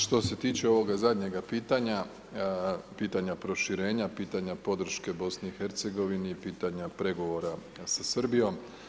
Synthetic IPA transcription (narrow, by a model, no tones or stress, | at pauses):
ʃt̪o̞se̞t̪iːt͡ʃe̞o̞ʋo̞ɡazad̪ɲe̞ɡapiːt̪aɲa | piːt̪aɲapɾo̞ʃiɾe̞ːɲapiːt̪aɲapo̞d̪r̩ʃke̞bo̞sniixe̞ɾt̪se̞ɡo̞ʋiniːpiːt̪aɲapɾe̞ɡo̞ʋo̞ɾa | sasr̩bijo̞m